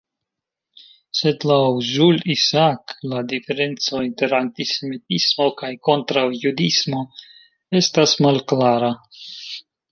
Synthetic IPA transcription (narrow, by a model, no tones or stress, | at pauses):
se̞dlawzulisakladife̞ɾe̞nt͡so̞inte̞ɾantise̞mitismo̞kajko̞nt̪ɾawjudismo̞ | e̞stasmalklaɾa